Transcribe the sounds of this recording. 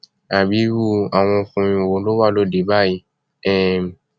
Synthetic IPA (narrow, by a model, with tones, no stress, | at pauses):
a˨bi˨˦wu˦a˨w̃ɔ̃˧fũ˧mĩ˧wo˨˦lo˦wa˦˨lo˦de˨˦ba˦˨ji˧ | ɛ˦˨